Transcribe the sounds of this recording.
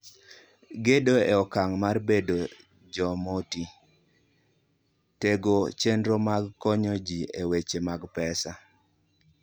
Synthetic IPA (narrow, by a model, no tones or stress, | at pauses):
ɡedoeɔkaŋmarbedo | d͡ʒɔmoti | teɡot͡ʃendɾomaɡkɔɲɔd͡ʒiewet͡ʃemaɡpɛsa